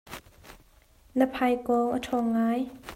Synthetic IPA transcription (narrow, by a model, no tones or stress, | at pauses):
nəpʰɐjkɔʔətʰɔːŋaːj